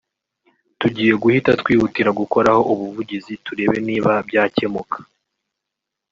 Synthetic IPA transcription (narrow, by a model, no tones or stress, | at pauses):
tuɟiːje̞ɡuhitatkwiːhutiɾaɡuko̞ɾaho̞ʔuβuvuɟizituɾe̞ːβeniːβabjaːce̞mukʰḁ